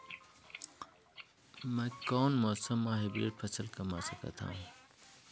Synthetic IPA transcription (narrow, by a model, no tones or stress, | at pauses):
mɐ̃koːnmoːsɐmːãːɦebḭːʈpʰɐsəlkɐmaːsɐkɐ̰t̪ʰã̰ːũ